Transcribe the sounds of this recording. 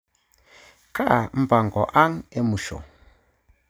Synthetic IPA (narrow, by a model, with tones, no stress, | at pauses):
ka˦˨m̩˦ba˨ŋɡɔ˨ʔa˦ŋɛ˦mu˨ʃɔ̰˨